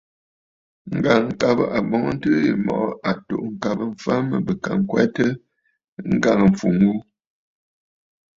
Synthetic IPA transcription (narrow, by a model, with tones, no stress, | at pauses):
ŋ̩˨ɡa˨ŋ˨ŋ̩˨ka˨bə̰˦ʔa˨bɔ˨ŋə˦n̩˦tɨ˦ḭ˨mɔ̰˨ʔʔa˨to̰˨ʔŋ̩˨ka˨bə˦˨ɱ̩˨fa˦mə˨bə˨ka˨ŋ˨kwɛ˦tə˦ | ŋ̩˦ɡa˦˨ŋə˨ɱ˨fu˨ŋ˦ɡu˦